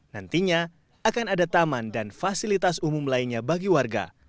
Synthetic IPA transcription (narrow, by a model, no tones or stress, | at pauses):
nant̪iɲa | akanadat̪amandanfasilit̪asumumlainɲabaɡiwarɡa̰